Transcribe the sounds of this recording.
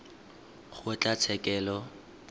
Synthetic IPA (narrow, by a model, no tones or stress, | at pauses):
χʊɛt͡ɬʼat͡sʰɛkʼɛːlɔ